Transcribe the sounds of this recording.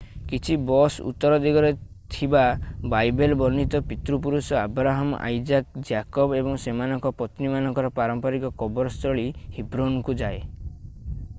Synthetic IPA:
kit͡ʃʰibɔsṵt̪ːɔɾɔd̪iɡɔɾe | t̪ʰibabajbelbɔɾnit̪ɔpit̪ɾup̬uɾusɔa̰bɾaɦam̰ʔa̰jd͡ʒak̚d͡ʒakɔbebɔŋsemanɔŋkɔpɔt̪nimanɔŋkɔɾɔpaɾɔmpɔɾikɔkɔbɔɾɔst̪ɾɔɭihibɾonkud͡ʒae

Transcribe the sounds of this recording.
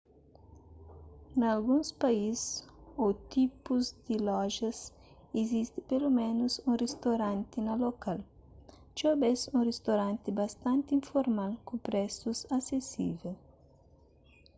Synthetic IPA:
nalɡũŋspaisot̪ipʊzd̪ɪlɔʒɐs | ezist̪ɪpelomẽnʊsũrest̪oɾãnt̪ɪnɐlokal | t͡ʃobesũrest̪oɾãnt̪ɪbast̪ãnt̪ĩɱfoɾmalkʊ̃pɾɛsusasesḭvel

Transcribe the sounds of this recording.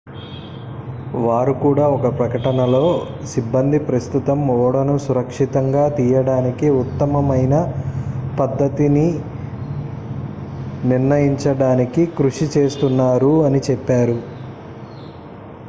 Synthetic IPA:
ʋaːɾukuːɽaːɔkɐpɾɐkɐʈɐnɐlo̞ːsibːɐnd̪ʱipɾɐst̪ut̪ɐmɔːɽɐnusuɾɐkʂit̪ɐŋɡaːt̪iːjɐɽaːnikiut̪ːɐmɐmɐjnɐ | pɐd̪ːɐt̪ini | niɾnɐjiɲt͡ʃɐɽaːnikikɾuʂit͡ʃe̞ːst̪unːaːɾuɐnit͡ʃɛpːaːɾu

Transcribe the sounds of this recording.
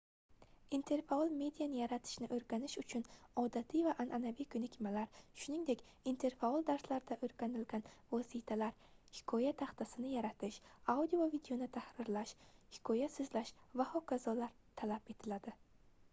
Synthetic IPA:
int̪ʰe̞ɾfaɒlˠme̞d̪ijanɪjaɾat̪ʰɪ̥ʃnɪʔɵɾɡʲanɪʃʊt͡ʃʰʊnɒd̪at̪ʰivaʔanʔanavijkʰɵnɪkʲʰmalaɾʃʊniŋd̪ekʲ | int̪ʰe̞ɾfaɒlˠd̪aɾslaɾɪd̪aʔɵɾɡʲanɪlɡʲanvɒsit̪ʰalaɾhɪ̥kʰɒjat̪ʰaχt̪ʰasɪnɪjaɾat̪ʰɪʃawd̪iovid̪eonɪt̪ʰahɾɪɾlaʃhɪ̥kʰɒjasʊzlaʃvahɒkʰazɒlaɾ | t̪ʰalape̞t̪ʰɪlad̪ɪ

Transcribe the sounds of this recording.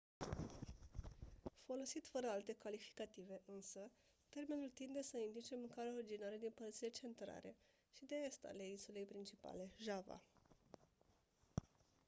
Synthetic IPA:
fo̞lo̞sit̪fəɾəalt̪e̞kalifi̥kat̪ive̞ʔɨnsə | t̪e̞rme̞nult̪ind̪e̞səind̪lit͡ʃe̞mɨŋkaɾeoɾid͡ʒinaɾed̪inpərt̪sile̞t͡ʃe̞nt̪ɾa̰ɾʔe̞̰ | ʃid̪eest̪a̰le̞insule̞jpɾint͡ʃipa̰le̞ʒava̰

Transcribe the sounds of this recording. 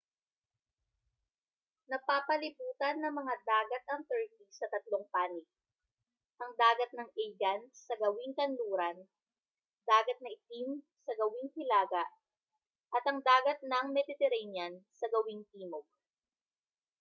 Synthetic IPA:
nɐpaːpɐlɪbuːt̪ɐnːɐŋmɐŋad̪aːɡɐt̪̚ɐŋt̪ɛɹk̪isɐt̪ɐt̪loŋpaːnɪk̚ | ʔɐŋd̪aːɡɐt̪̚nɐŋʔɛjɡɐnsɐɡɐwɪŋk̪ɐnluːɾɐn | d̪aːɡɐt̪̚nɐʔɪt̪im | sɐɡɐwɪŋhɪlaːɡɐʔ | ʔɐt̪ɐŋd̪aːɡɐt̪̚nɐŋmɛd̪ɪt̪ɛɾanjɐnsɐɡɐwɪŋt̪iːmoɡ̚

